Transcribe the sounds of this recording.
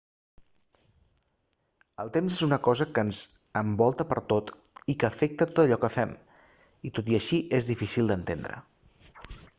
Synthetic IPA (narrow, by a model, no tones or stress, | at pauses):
əlˠt̪emzezunəkɔzəkənz | əmbɔlˠt̪əpəɾt̪ot̪ | ikəːfek̚t̪ət̪ot̪əʎɔkəfɛm | it̪ot̪iəʃiʔezðifisilˠd̪ənt̪end̪ɾə̰